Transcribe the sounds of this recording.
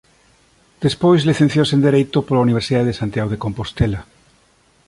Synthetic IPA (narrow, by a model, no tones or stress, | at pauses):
d̪̥espojzliθẽn̟θjosend̪eɾejt̪opolauniβɾsiðaðesant̪jaɣoð̞ekompost̪ela